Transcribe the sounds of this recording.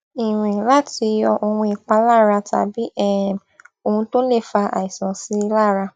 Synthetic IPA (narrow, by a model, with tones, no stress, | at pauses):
i˨ɾ̃ĩ˨la˦ti˧˦jɔ˧ʔo˧hũ˧i˨k͡pa˧laː˦˨ɾa˧ta̰˨bi˨˦ɛ˦˨ | o˧˨hũ˧to˦le˦˨fa˧ʔa̰˨i˨sã˨si˦laː˦˨ɾa˧